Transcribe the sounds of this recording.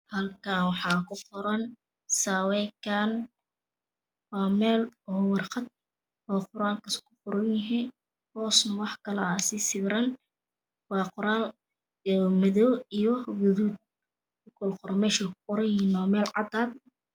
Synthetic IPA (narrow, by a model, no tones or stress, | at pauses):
hɐlkʰaːwɑħɑːkʰʊqʊɾɐn | saːwɛjkʰaːn | wɑːmɛːlwɑrqɑd̪̚ | ɔːqʊɾaːlkʰɐskʰʊqʊɾɐnjɪɦɛ | t̪ʰɔːsnɐwɑħkʰɐlɐasɪsɪɡɾɐn | wɑːqʊɾaːl | mɐðɔwijɔɡʊðuːd̪̚ | kʊkɔlqʊɾɐmɛːʃɐkʰʊ̥qʊɾɐjɛnɔːmɛːlʕɑd̪aːd̪